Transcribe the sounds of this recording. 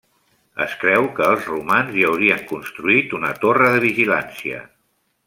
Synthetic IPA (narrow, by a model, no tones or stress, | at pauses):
əskɾɛwkəːlˠzrumanziəwɾiəŋkunst̪ɾuit̪unət̪orəðəβiʒilansiə̰